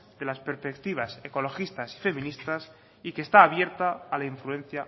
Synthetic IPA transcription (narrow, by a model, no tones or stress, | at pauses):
d̪e̞laspe̞ɾspe̞kt̪iβ̞ase̞ko̞lo̞xist̪asi̥fe̞mĩnist̪as | ike̞ːst̪aːβje̞ɾt̪aːlaiɱflue̞n̟θja